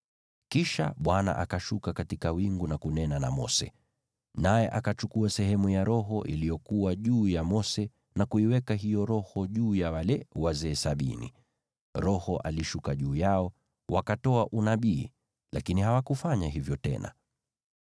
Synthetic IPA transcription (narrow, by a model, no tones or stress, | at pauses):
kiʃa̰ɓwana̰ʔakaʃukakatikawiŋɡunakunɛnana̰mɔ̰sɛ̰ | najɛʔakat͡ʃukuasɛɦɛmujaɾɔɦɔʔḭlijɔkuwaʄuːjamɔsɛ | nakuiwɛkaɦijɔɾɔhɔʄuːjawalɛwazɛːsaɓḭnḭ | ɾɔhɔʔa̰liʃukaʄuːjaɔ | wakatɔaʔunaɓiː | lakinihawakufaɲaɦivjɔtɛ̰na̰